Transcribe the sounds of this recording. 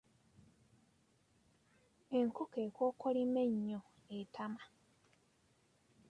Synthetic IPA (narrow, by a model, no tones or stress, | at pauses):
e̞ŋkokeːkoːkolimeɲːo | etama